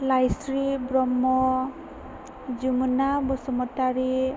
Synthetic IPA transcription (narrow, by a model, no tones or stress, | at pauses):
lajsɾibɾɔmːɔ | d͡ʒumunabɔsɔmɔt̪aɾi